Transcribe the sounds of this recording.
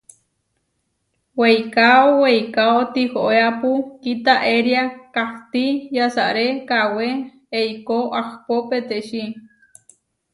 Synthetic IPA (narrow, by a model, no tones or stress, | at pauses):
wejkaowejkaot̪ihoʔeapukit̪aʔeɾjakaht̪ijasaʔɾekawe | eikoʔakpopet̪eʃi